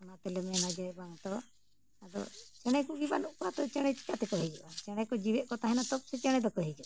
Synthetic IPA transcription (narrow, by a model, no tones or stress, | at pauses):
ɔnat̪ɛlɛmɛnad͡ʒajbaŋt̪ɔ | ad̪ɔ̰t͡ʃɛɽ̃ɛkubibanuʔkɔat̪ɔt͡ʃɛɽ̃ɛt͡ʃi̥kat̪ɛkɔɦɛd͡ʒɔʔat͡ʃɛɽ̃ɛkɔd͡ʒibɛʔ̪̚kɔt̪aɦɛnat̪ɔk̚sɛt͡ʃɛɽ̃ɛd̪ɔkɔɦɛd͡ʒɔ